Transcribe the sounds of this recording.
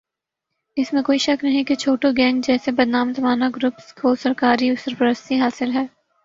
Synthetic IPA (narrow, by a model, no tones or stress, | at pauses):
ɪsmẽkoːiʃɐknɐɦĩket͡ʃʰoːʈoɡɛ̃ːŋɡd͡ʒɛːsebɐɾd̪naːmt̪ɐmaːnaɡɾʊpskoːsɐɾkaːɾiʊsɐɾpəɾəst̪iɦaːsɪlɦɛː